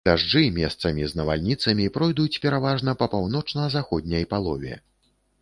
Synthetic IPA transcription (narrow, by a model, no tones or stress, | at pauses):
d̪̥aʐd͡ʐɨmʲɛst̪sɐmʲiznɐva̰lʲnʲit̪sɐmʲipɾɔjd̪ut͡sʲpʲɛɾavaʐnɐpɐpawnɔt͡ʂnɐzaxɔd̪ʲnʲɐjpalˠɔvʲɛ̰